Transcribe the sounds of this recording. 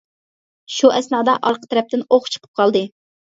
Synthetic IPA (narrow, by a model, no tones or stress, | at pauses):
ʃuʔɛsnɑːd̪ɑʔɑɾqʰə̥t̪ʰɛɾɛp̚t̪ɪnoχt͡ʃʰə̥qʰə̥p̚qʰɑlˠd̪ɨ